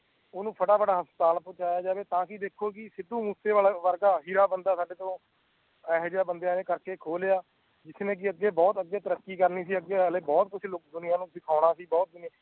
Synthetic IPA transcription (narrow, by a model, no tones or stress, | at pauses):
ʊnũːpʰəʈaːpʰəʈaːɦəst̪aːlpõːt͡ʃaːjaːd͡ʒaːʋeːt̪ãːkɪd̪eːkʰːoːkɪsɪd̪ːũːmuseːʋaːlaʋəɾɡaːɦiːɾaːbənd̪aːsaːɖeːt̪õː | ɛːɦd͡ʒjaːbənd̪jaːneːkəɾkeːkʰoːlejaː | d͡ʒɪsnẽːk̬ɪəɡːeːbɔːt̪əɡːeːt̪əɾəkːiːkəɾniːsiːəɡːeːleːbɔːt̪̚kʊt͡ʃʰlʊk̚d̪ʊnɪjãːnũːsɪkʰaːʊɽ̃aːsiːbɔːt̪̚d̪ʊnɪjaː